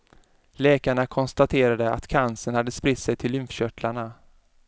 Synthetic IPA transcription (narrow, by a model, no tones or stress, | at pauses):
lɛːkaɳakʰɔnst̪at̪ʰeːɾad̪əa̰t̪kʰansənhad̪ːəspɾɪt̪sɛjt̪ʰɪlːʏnfɕœʈlaɳa